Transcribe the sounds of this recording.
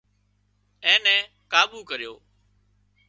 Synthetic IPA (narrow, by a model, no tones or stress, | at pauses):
ɛ̃ːnɛ̃ː | kaːɓuːkəɾjoː